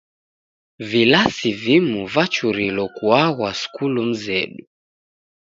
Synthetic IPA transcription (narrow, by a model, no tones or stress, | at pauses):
vilasivimuvat͡ʃuɾilɔkuaɣwasu̥kulum̩zɛɗu